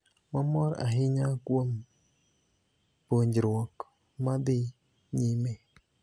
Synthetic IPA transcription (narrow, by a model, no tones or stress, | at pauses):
mamɔɾa̰ɦiɲakwom | poɲd͡ʒɾwɔk | madɪ | ɲime